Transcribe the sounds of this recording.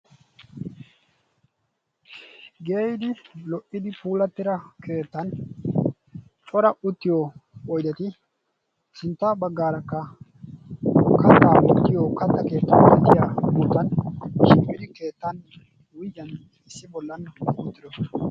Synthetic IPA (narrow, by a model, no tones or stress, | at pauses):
ɡe̞ːjɪd̪ɪlɔʔɪd̪ɪpuːlɐt̪ːɪɾɐkʰe̞ːt̪ːɐn | t͡ʃʼɔɾɐʔʊt̪ːɪjoɔjd̪ɐt̪ɪ | sɪnt̪ːabɐɡːaːɾɐkːɐ | kɐt̪ːaːʔɔt̪ːɪjoːkɐt̪ːɐke̞ːt̪ːɐnɔt̪ːɪjabuːt̪ɐnʃɪmpʼːɪd̪ɪke̞ːt̪ːɐn | wʊjːɐn | ɪsːɪbɔlːɐnʊt̪ːɪd̪ɔ